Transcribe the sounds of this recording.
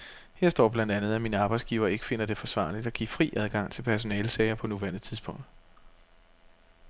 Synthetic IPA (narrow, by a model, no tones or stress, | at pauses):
heɐsd̥ɒ̰ːb̥lænd̥ænð̞̩ˠæmiːnəɑ̈ːb̥ɑ̈ɪsɡ̥iːʊɐːe̝ɡ̥ə̥fe̝n̰ɐd̥e̝fɒ̽sʋɑ̰̈ːlid̥ɒ̽ɡ̥ḭːfʁḭːæð̞ˠɡ̥ɑ̈ŋ̰t͡sʰe̝lpʰæɐs̬o̝nɛːlsɛɪɐpʰɒ̽nuʋæɐnð̩ˠt͡sʰiðˠsb̥ɔ̽ŋ̰d̥